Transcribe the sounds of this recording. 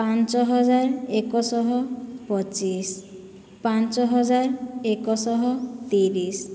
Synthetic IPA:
pant͡ʃɔɦɔd͡ʒaɾekɔsɔɦɔpɔt͡ʃis | pant͡ʃɔɦɔd͡ʒaɾekɔsɔɦɔt̪iɾis

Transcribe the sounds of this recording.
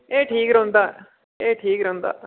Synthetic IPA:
eːʈʰiːɡɾond̪a | eːʈʰiːkɾond̪a̰

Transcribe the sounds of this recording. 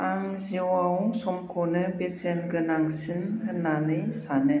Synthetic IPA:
aŋziwausɔmkʰonɯbesenɡɯnaŋsinɦɯnanɯjsanɯ

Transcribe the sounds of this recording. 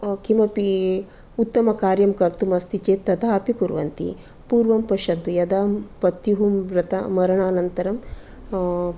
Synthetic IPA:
kimɐpi | ut̪ːɐmɐkaːɾjɐmkɐɾt̪umɐst̪it͡ʃeːt̪ːɐt̪aːɐpikuɾʋɐnt̪ḭ | puːɾʋɐmpɐʃɐnt̪ujɐd̪aːmpɐt̪juɦumɾɐt̪ɐmɐɾɐɳaːnɐnt̪ɐɾɐm

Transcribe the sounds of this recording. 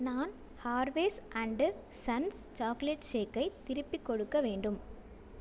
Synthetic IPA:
naːn | haːɾʋeːsʔɐɳɖɯ | sɐns | t͡ʃaːkleʈʃeːkːɐɪt̪ːɪɾɯpːikːɔɽɯkːɐʋeːɳɖɯm

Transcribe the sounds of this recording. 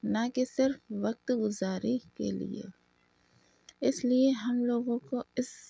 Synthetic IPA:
nɐkesɪɾfʋɐk̚t̪ɡʊzaːɾikḛlḭḛː | ɪslieɦɐmloːɡõkoɪs

